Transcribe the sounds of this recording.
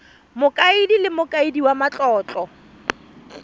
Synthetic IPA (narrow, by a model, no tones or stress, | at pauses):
mʊkʼaɪdilɪmʊkʼaɪdiwamat͡ɬʼɔːt͡ɬʼɔ